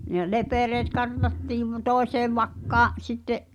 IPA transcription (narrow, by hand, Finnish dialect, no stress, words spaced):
ne lepereːt kɑrtɑtːiːʋ toˑeseːʋ ʋɑkːɑːʔ sitːeʔ